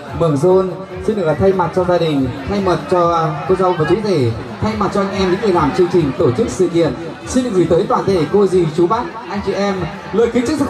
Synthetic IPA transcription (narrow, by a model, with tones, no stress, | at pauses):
mɨ˨˧˩ŋzo˧n | si˧nɗɨ˨˩ə˩kla˨˩t̪ʰa˧jma˨˩t̚t͡ɕɔ˧zaː˧ɗï˨˩ŋ̟t̪ʰa˧jmə˨˩t̚t͡ɕɔ˧ko˧za˧wvəː˨˩t͡ɕu˨˦t̪ʰe˧˩ | t̪ʰa˧jma˨˩t̚t͡ɕɔ˧ʔa˧ŋ̟ʔɛ˧mɲḭ˧˥˦ŋə˨˩lwaː˨˩nt͡ɕɨ˧əŋt͡ɕï˨˩ŋ̟t̪o˧˩t͡ɕɨ˦˥k̚sɨ̰˧˨kḭ˧˨ən | si˧nɗɨ̰˨˩k̚zi˨˩t̪əː˨˦jt̪waː˧˨˩t̪ʰe˧˩ko˧zi˨˩t͡ɕu˨˦ɓaː˦˥t̚ʔa˧jŋt͡ɕi˧˨ʔɛ˧m | lɨː˧˨jxi˨˦t͡ɕɨ˦˥k̚ʰ